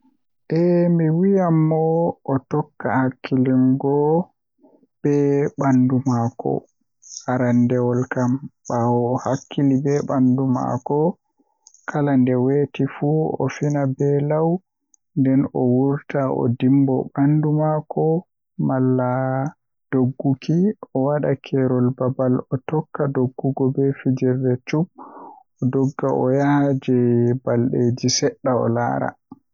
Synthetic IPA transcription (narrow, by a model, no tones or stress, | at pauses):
ʔɛmiwijamːɔʔːtɔkːa̰hakʰːilinɡɔ | b̥ɛɓandumakɔ̰ | aɾandɛwɔlkamɓawɔhakʰːilibɛɓanduma̰kɔ | kʰalandɛwetifuɔ̰finabɛlaw | ndɛnɔwuɾtaʔɔ̰dimbɔɓandumakʰɔ | malːa | d̥oɡːukʰiɔwaɗakʰɛɾɔlbabalɔtɔkːadoɡːuɡɔbɛfid͡ʒɛɾdɛt͡ʃub̚ | ɔdɔɡːaʔɔjahd͡ʒɛbalɗed͡ʒisɛɗːaɔ̰la̰ːɾa̰